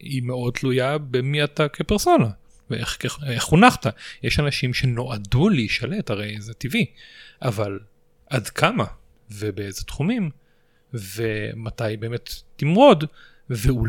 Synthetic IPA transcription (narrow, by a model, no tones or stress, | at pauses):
imeo̞d̚t̪lujabemiatakʰepeʁso̞na | veʔeχkeeχunaχtajeʃanaʃimʃe̞no̞ʔaduleiʃalethaʁejzetiviʔaval | ʔadkʰama | vebeezet̪χumim | vematajbe̞ːme̞tːimʁo̞d | veul